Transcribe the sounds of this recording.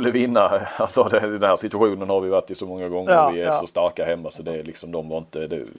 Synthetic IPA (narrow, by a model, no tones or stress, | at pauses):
lːəvɪnːaalsɔd̪ɛd̪ɛnæːɾʂɪt̪ɵaɧuːnənhaɾvʋɪjvaʈːɪsɔmɔŋːaɡɔŋːəɾvɪæɾʂɔst̪aɾkahɛmːasɔd̪ɛlɪksɔmd̪ɔmvɑɾɪnt̪əd̪ɛ̰